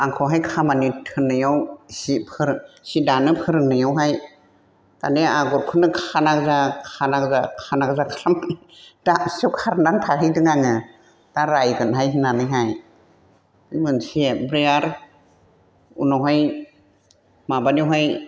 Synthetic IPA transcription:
aŋkʰɔɦajkʰamanitʰɯnːɯjawsipʰɯɾsidanɯpʰɯɾɯnɯjawɦaj | ka̰neaɡɔɾkʰɯnɯkʰanakzakʰanakzakʰanakzakʰalamani | daɔwkʰaɾnantʰaɦhɯjdɯŋaŋɯ | d̥aɾajɡɯnɦajɦinanɯjɦaj | ɯjmɯnsiebɾeaɾ | ṵnɔwɦaj | mabaniwɦaj

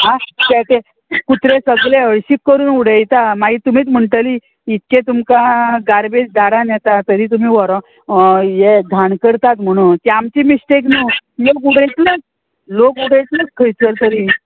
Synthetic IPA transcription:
ɦãt̪ɛt̪e | kut̪ɾesəɡleəɭɕikːəɾuːnuɽ̤əjt̪amaɡiːt̪um̤iːt͡s̪m̤əɳʈəliː | it̪kẽt̪umkaɡaɾbed͡ʑd̪aɾanjɛt̪at̪əɾiːt̪̬um̤iːʋɔɾɔ | jeɡ̪ʱaɳkəɾt̪at̪m̤əɽ̃ũt̪iamt͡ɕiːmisʈeknuːlok̬uɽəjt̪lət͡s | lokuɽəjt̪lət͡skʰəjt͡səɾt̪əɾi

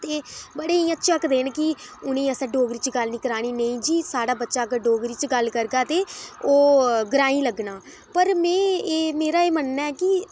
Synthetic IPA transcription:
t̪eːbəɽeːĩːətːʃʰakd̪eːnkɪʊnẽːəsəːɖoːɡɾiːt͡ʃɡəlnĩːkəɾaːɽ̃iːnəĩːd͡ʒiːsaːɽaːbətːʃaːkəɖoːɡɾiːt͡ʃɡəlkəɾɡaːt̪eːoːɡɾaːĩːləɡnaː | pəɾmɛ̃ːeːmeːɾaːeːmənːaːɛːkɪ

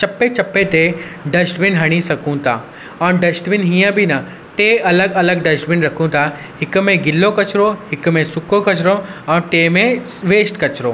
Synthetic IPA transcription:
t͡ɕɐpːet͡ɕɐpːet̪eɖɐsʈʋɪnɦɐɽ̃isɐkʰũt̪ʰa̰ː | ɐ̃ːnɖɐsʈʋɪnɦijãbʱinɐ | t̪eɐləɡɐləɡ̚ɖɐsʈʋɪnɾɐkʰũt̪ʰa | ɦɪkmẽɡɪlːokɐt͡ʃɾoɦɪkmẽsʊkokɐt͡ʃɾoɐ̃ʈeːmẽ | ʋeːsʈkɐt͡ʃɾoː

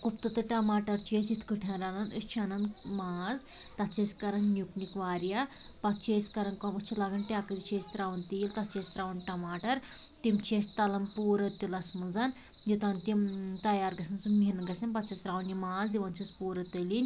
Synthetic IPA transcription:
kupt̪ɨt̪ɨʈɐmaːʈɐɾt͡ʃeːsit̪ʰkɨʈʰãːɾanɐnəst͡ʃʰɐnɐnmaːz | t̪ɐtt͡ʃʰesʲkɐɾɐnnjuknikʋaːɾja | pɐt̚t͡ʃʰeskɐɾɐnkɐmɨt͡ʃʰilaːɡɐnʈʲaːkɐɾit͡ʃʰeːst̪ɾaːʋɐnt̪iːlt̪ɐt͡ʃeːst̪ɾaːʋɐnʈɐmaːʈɐɾ | t̪imt͡ʃʰesʲt̪ɐlɐmpuːɾɐt̪ːilɐsmɐlzan | jit̪ant̪it̪ɐjaːɾɡɐsɐnsuminɡɐsɐnpɐt̪t͡ʃʰist̪ɾaːʋnimaːzd̪iʋɐnt͡ʃʰispuːɾɐt̪əlinʲ

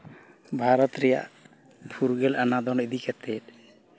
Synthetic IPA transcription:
bʱaɾɔt̪ɾɛja̰ | pʰuɾɡɛlanad̪ɔned̪ikat̪ɛt

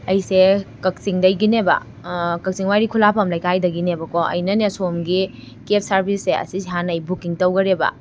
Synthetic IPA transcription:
ɐjsekɐk̚siŋdɐjɡinebɐ̰ | kɐk̚siŋwajɾikʰulapʰɐmlɐjkajdɐɡinebɐkoɐ̰jnɐnesomɡi | kep̚saɾbʱisːeɐ̰siseɦanɐjbukiŋtɐwɡɐɾebɐ̰

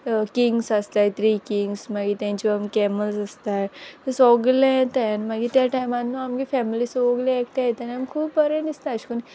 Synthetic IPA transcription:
kiŋɡsast̪ajt̪ʰɾikiŋɡsmaɡit̪jãɲt͡ɕiamkɛməlsəst̪ajt̪əsɔɡlejet̪ajnmaɡit̪jaʈajmanːuamɡifɛmilisɔɡleekʈ̪ajet̪anamkʰuːbpəɾeɳist̪aɕkuni

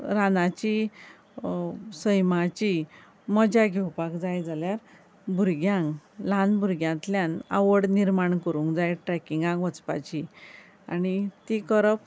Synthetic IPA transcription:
ɾanat͡ɕi | səjmat͡ɕi | məd͡ʑaɡʱɛwpakd͡zajd͡zaljaɾ | bʱuɾɡjãŋɡlãnbʱuɾɡjãt̪ljãna̰ʋəɽniɾmaɳkəɾũŋkd͡zajʈɾɛkiŋɡãŋɡʋət͡spa̰t͡ɕi | a̰nit̪ikəɾəp

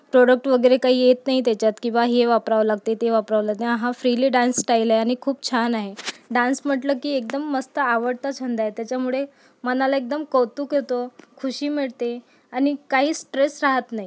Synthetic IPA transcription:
pɾoɽək̚ʈʋəɡəjɾekaɦiːjet̪naɦit̪jat͡ɕjat̪kĩw̃ʋaɦeʋapɾaʋlaɡt̪et̪eʋapɾaʋlaɡt̪ẽaɦãfɾiliːɖãnsːʈajilaeaɽ̃ikʰuːb̚t͡ɕʰanaɦeɖãnsm̤əʈləːkiːek̚d̪əmːəst̪əːʋəɽt̪at͡ɕʰənd̪aɦet̪jat͡ɕjamuɭe | mənalaek̚d̪əmkəwt̪uːket̪okʰuɕiːmiɭt̪e | añikaɦiːsʈɾesɾaɦət̪naɦi

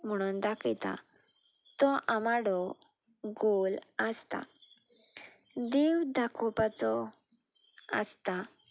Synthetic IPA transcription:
m̤əɽ̃uːnd̪akʰit̪a̰ | t̪ɔʔamaɽɔ | ɡoləst̪a̰ | d̪ewd̪ʱakʰupat͡sɔ | ə̰st̪a

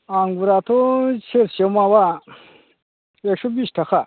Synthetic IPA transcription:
aŋɡuɾat̪ʰot͡ɕʰeɾɕemawa | ekʂubiɕʈʰɐxa

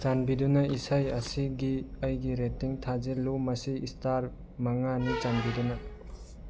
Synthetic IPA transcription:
t͡ʃanbidunɐisajɐsiɡiɐjɡiɾetːiŋtʰazelumɐsiːstaɾ | maŋanit͡ʃanbidunɐ

